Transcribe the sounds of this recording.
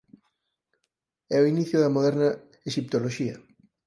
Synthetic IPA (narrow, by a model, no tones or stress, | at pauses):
ɛoiniθjʊðɐmoðɛɾnɐ | eʃip̚t̪oloʃiɐ